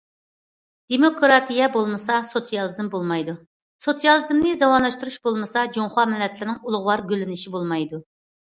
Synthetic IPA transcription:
d̪̥emokɾɑt̪ʰijɛbolˠmɨsɑsot̪sijɑlˠɨzɨmbolˠmɑjd̪u | sot̪sijɑlˠɨzmnɪzɑwɑnlˠɑʃt̪uɾuʃbolˠmɨsɑd͡ʒoŋχɑmɪlːɛt̪lɪɾɪnɪŋulˠʊʁwɑɾɡʲølɪnɪʃibolˠmɑjd̪u

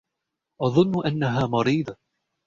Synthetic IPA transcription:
ʔɑðˤʊnːʊʔanːaɦaːmɑɾiːd̪ˤ

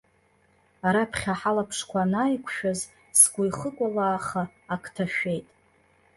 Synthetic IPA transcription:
aɾapʰχʲaħalapʰʂkʷʰanajkʷʰʃᶣaz | sɡʷʊjχəkʷʼalaːχaː | kʰʼtʰaʃᶣe̞jtʼ

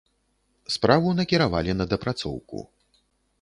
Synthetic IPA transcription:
spɾavunɐkʲiɾavalʲinɐd̪ɐpɾat̪sɔ̰wkṵ

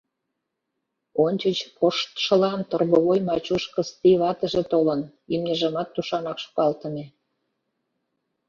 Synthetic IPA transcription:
onʲt͡ɕət͡ɕpoʃt̪ʃə̆lɑnt̪orɣoβojmɑt͡ɕuʃkəst̪iβɑt̪ə̆ʒĕt̪olən | imnʲeʒəmɑt̪ːuʃɑnɑkʃu̥kɑlt̪ə̆me

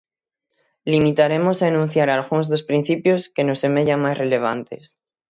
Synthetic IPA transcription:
limit̪aɾe̞mo̞saenũn̟θjaɾalɣ̞unzðospɾin̟θipjo̞ske̞no̞sːe̞me̞ʝaŋmasre̞le̞β̞ant̪e̞̰s

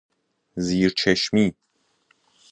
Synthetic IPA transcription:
ziːɾt͡ʃʰeʃmiː

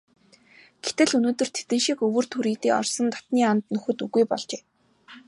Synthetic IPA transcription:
ɡ̥et̪ɘ̆ɮɵnoːt̪ɵ̆r̥t̪ʰe̥t̪ɘ̆nʃikɵwɵ̆r̥t̪ʰuɾiːt̪iːɔ̰rsɞ̆nt̪ɔ̥t̪niːant̪nɵxɵ̆t̪uɣujpɔɮt͡ɕeː

